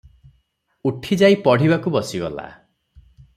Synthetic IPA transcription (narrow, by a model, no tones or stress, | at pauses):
uʈʰid͡ʒaipɔɽ̤iβakubɔsibɔla̰